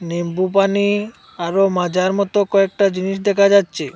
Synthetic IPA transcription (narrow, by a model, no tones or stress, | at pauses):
nembup̬ani | aɾomad͡ʑaɾmɔt̪okɔek̚ʈad͡ʑiniʃ̬d̪ɛkʰad͡ʑatːɕʰe